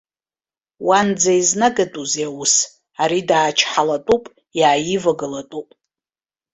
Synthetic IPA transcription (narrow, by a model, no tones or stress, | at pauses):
wand͡zaiznaɡatʼuziawus | aɾidaːt͡ʃʰħalatʼupʼ | jaːjivaɡalatʼupʼ